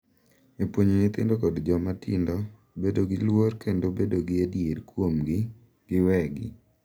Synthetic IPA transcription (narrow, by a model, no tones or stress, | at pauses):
epwoɲonɪt̪ɪ̰ndokɔdd͡ʒɔmatɪ̰ndɔ | bedoɡɪlwoɾkendobedoɡɪadjedkwomɡɪ | ɡ̥ɪwɛɡɪ̰